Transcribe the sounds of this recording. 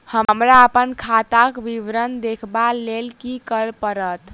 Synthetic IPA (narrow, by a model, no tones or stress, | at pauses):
həmɾaəpənkʰat̪akbiʋɾənd̪ekʰbalelkikəɾpəɾət̪